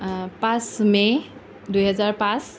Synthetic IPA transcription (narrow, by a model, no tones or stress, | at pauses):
pãsme | d̪ujɦʌd͡zaɾpãs